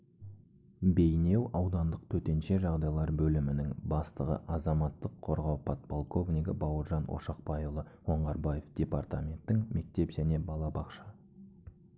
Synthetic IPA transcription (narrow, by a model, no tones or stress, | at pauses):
be̞jne̞wɑwd̪ɑnd̪əqt̪ʰɵt̪e̞nʃe̞ʒɑʁd̪ɑjlˠɑɾbɵlɪmɪnɪŋbɑst̪əʁə̰ʔɑzɑmɑt̪ːəqʰːo̞ɾʁɑwpʰot̪̚polˠkʰo̞vnʲiɡʲəbɑwəɾʒɑnwo̰ʃɑqpɑjulˠəwo̞ɴʁɑɾbɑjefd̪̥ʲe̞part̪amʲe̞nt̪ːɪŋme̞k̚t̪e̞pʒæne̞bɑlˠɑbɑqʃɑ